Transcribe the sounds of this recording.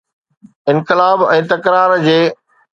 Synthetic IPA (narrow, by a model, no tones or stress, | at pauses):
ɪ̃nkɪlaːbɛ̃ːt̪ɐkɾaːɾd͡ʑeː